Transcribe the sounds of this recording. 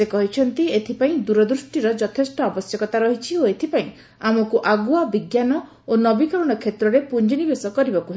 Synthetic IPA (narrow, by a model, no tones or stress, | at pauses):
sekɔɦit͡ʃʰɔnt̪iet̪ʰipaĩd̪uɾɔd̪ɾusʈiɾɔd͡ʒɔt̪ʰesʈɔːbɔsjɔkɔt̪aɾɔɦit͡ʃʰioet̪ʰipaĩ | amɔkuʔaɡuabiɡjanɔ | onɔbikɔɾɔɽ̃ɔkʰet̪ɾɔɾepuɲd͡ʒinibesɔkɔɾibakuɦe